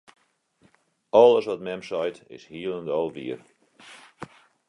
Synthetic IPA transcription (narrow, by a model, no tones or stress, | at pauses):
ɔlˠəsʋɔt̚mɛmsɔjtɪ̰shiəlˠəndɔlˠʋḭər